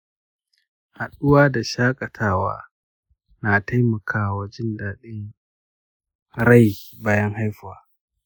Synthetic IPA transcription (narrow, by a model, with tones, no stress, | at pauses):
ha˨ɗʊ˦waː˦da˨ʃaː˦kʼɐ˨tʰaː˦wa̰ː˦ | na˨ta˦jmɐ˨kʰaː˦˨wa˨d͡ʒɪ˦ndaː˨ɗɪ˦ŋ | ɾa˦˨jbaː˦jɐ˦ŋha˦jɸwaː˨˦